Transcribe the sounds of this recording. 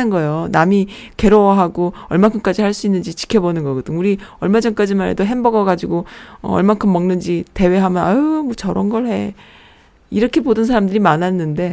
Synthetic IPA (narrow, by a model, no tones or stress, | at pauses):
ɯnɡʌejonami | ke̞ɾowʌɦaɡoʌɭmaŋkʰɯnk͈ad͡ʑihaɭs͈uinːɯnd͡ʑit͡ɕi̥kʰjʌbonɯnɡʌɡɯdɯŋuɾiʌɭmad͡ʑʌnk͈ad͡ʑimaɾɦḛdoɦembʌɡʌɡad͡ʑiɡoʌ̰ʌ̰ɭmaŋkʰɯmːʌŋnɯnd͡ʑite̞we̞ɦamjʌnamʌt͡ɕʌɾʌnɡʌɭhe̞ | iɾʌkʰe̞bodɯns̬ʰaɾamdɯɾimananːɯnde̞